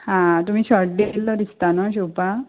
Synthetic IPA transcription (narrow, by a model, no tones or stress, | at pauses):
hãt̪um̤iːɕɔɾɖelːɔɾist̪anɔɕ̬uwpa